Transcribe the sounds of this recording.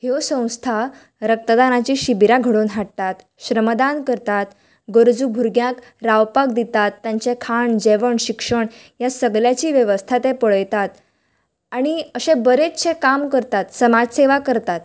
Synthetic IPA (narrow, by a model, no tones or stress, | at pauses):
hewsə̃w̃st̪ʰa | ɾək̚t̪əd̪anat͡ɕiːɕibiɾaɡʱəɽoːnɦaɽt̪at̪ | ɕɾəmd̪ankəɾt̪at̪ | ɡəɾd͡zuɡʱuɾɡjãk | ɾawpak̚d̪it̪at̪ːjãɲt͡ɕekʰaɳd͡ʑeʋəɳɕikʂəɳ | jasəɡljat͡ɕiːʋjəʋəst̪ʰat̪epəɭəjt̪at̪ | aɽ̃iəɕẽbəɾetɕẽkamkəɾt̪at̪səmad͡zseʋakəɾt̪at̪